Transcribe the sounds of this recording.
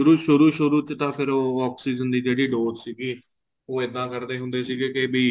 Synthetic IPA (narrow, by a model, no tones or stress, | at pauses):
ʃʊɾuːʃʊɾuːʃʊɾuːt͡ʃt̪ãːpʰɪɾoːɔːpsiːzənd̪iːd͡ʒeːɽiːɖoːzsiːɡiː | oːɪd̪ːãːkəɾd̪eːɦʊ̃nd̪eːsiːɡeːkɪbiː